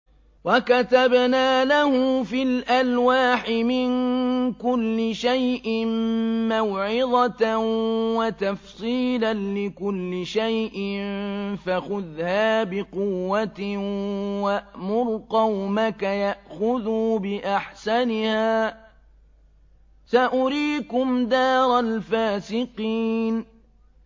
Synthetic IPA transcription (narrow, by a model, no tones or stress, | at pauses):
wakat̪abnaːlahʊfɪlʔalwaːħɪmɪnkʊlːɪʃajʔɪnmawʕɪd̪ˤɑt | wat̪afsˤiːlanlɪkʊlːɪʃajʔɪnfaxʊðhaːbɪqʊwːat̪ | waʔmʊɾqɑwmakajaʔxʊðuːbɪʔaħsanɪhaː | saʔʊɾiːkʊmd̪ɑːɾˤɑlfaːsɪqiːn